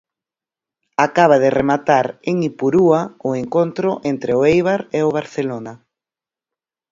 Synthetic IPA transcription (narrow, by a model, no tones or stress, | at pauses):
akaβ̞aðɪremat̪aɾeŋipuɾuaʊeŋkont̪ɾʊʔent̪ɾɪoejβaɾeʊβ̞aɾθelona